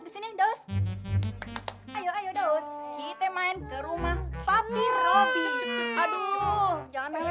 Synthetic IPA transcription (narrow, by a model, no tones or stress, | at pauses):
bisinidos | ajoajodoskit̪emaɪnkəɾumahfapiofiadulud͡ʒaŋan